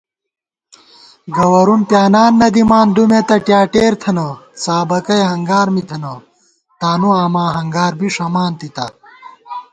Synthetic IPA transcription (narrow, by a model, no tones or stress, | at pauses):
ɡɐwɐɾunpjaːnaːnːɐd̪imaːnd̪umet̪ɐʈjaːʈeːɾt̪ʰɐnɐsaːbɐkɐjeɦɐŋɡaːɾmit̪ʰɐnɐ | t̪aːnuaːmãːɦɐŋɡaːɾbiʂɐmaːnt̪it̪ɐ